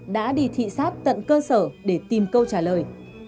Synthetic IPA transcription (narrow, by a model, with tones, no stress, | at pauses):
ɗa̰ː˧˥ɗi˧˩t̪ʰḭ˧˨saː˦˥t̚t̪ə̰˧˨nkəː˧səː˧˩ɗe˧˩t̪i˨˩mkə˧wt͡ɕaː˧˩ləː˨˩j